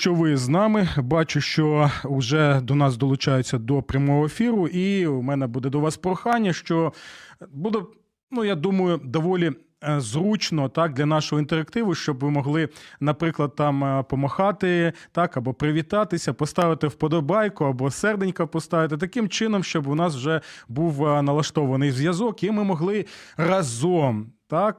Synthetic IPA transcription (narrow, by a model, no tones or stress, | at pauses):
ʃt͡ʃɔʋɪznɑmɪbɑt͡ʃʊʃt͡ʃɔʊʒɛd̪ɔnɑs̬d̪ɔlˠʊt͡ʃɑjet͡sʲːɐd̪ɔpɾʲɐmɔɦɔefʲiɾʊʔimɛnɛbud̪ɛd̪ɔʋɑspɾɔxɑnʲːɐʃt͡ʃɔ | bud̪ɛ | nujad̪umɐjʊd̪ɔʋɔlʲi | zɾut͡ʃnɔt̪ɑk̚d̪lʲɐnɑʃʊɦɔint̪eɾɐkt̪ɪʋʊʃt͡ʃɔbʋɪmɔɦlˠɪnɐpɾɪklˠɐd̪̚t̪ɑmpɔmɐxɑt̪ɪt̪ɑkɐbɔpɾɪʋʲit̪ɑt̪ɪsʲɐpɔst̪ɑʋɪt̪ɪwpɔd̪ɔbɑjkʊɐbɔsɛrd̪enʲkɐpɔst̪ɑʋɪt̪ɪt̪̬ɐkɪmt͡ʃɪnɔmʃt͡ʃɔbʊnɑswʒɛbuwnɐlˠɐʃt̪ɔʋɐnɪjzʲʋjɐzɔkimɪmɔɦlˠɪrɐzɔmt̪ɑk